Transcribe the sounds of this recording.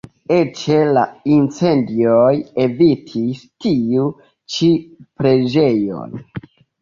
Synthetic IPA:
et͡ʃe̞la̰int͡se̞ndioje̞vitʰistiu | t͡ʃipɾe̞d͡ʒe̞jo̰n

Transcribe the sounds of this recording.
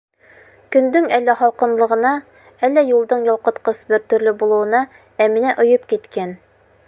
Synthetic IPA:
kɵ̆nd̪ɵŋælːæχɒlˠqɤ̆nlˠɤ̆ʁɤ̆nɑ | ælːæjulˠd̪ɤɴjɒlˠqɤ̆t̪qɤsbɘɾt̪ɵ̆ɾlɘbulˠɤ̆wɤ̆nɑ | æmɘ̆næʔŏjɤpkit̪kæn

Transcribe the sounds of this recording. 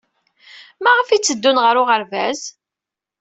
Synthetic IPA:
mæʁəfit͡sːəd̪ːunʁəɾʊʁəɾvæz

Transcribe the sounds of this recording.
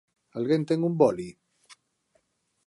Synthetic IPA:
alɣent̪eŋumbɔli

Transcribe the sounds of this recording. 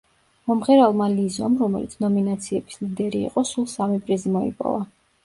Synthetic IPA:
mɔmχɛɾalˠmalizɔmɾɔmɛ̰lit̪sʰnɔminat̪sʰiɛbi̥slid̪ɛɾḭːqʼɔsulˠsamipʼɾizimɔḭpʼɔ̰va

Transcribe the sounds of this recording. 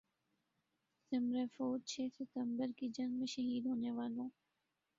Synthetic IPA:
sɪmɾeːfoːd̚t͡ʃʰeːsɪt̪ə̃mbəɾkid͡ʒɐ̃ŋɡmẽːʃəɦiːd̪ɦoːneʋaːlõː

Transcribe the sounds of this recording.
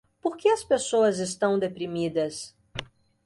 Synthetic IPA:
poɾkeɐspesoɐzest̪ɐ̃w̃d̪epɾimid̪ɐs

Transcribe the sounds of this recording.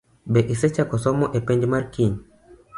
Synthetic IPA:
bɛʔisɛt͡ʃakɔsɔmɔʔɛpɛnd͡ʒmaɾkiɲ

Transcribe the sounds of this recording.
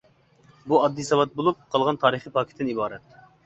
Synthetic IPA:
buɑd̪ːisɑwɑt̪̚bolˠup̚qʰɑlˠʁɑnt̪ʰɑːɾɨχipʰɑːkʲʰt̪ːɪnibɑːɾɛt̪̚

